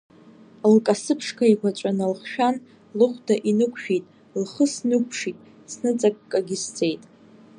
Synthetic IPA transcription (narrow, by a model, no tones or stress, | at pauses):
lkʼasɨpʰʂkʰaiɡʷat͡ʃʷʼanalχʃᶣan | lɨχʷdaʔinɨkʷʰʃᶣitʼ | lχəsnɨkʷʰʂitʼ | snɨt͡sʼakʼkʼaɡʲist͡sʼe̞jtʼ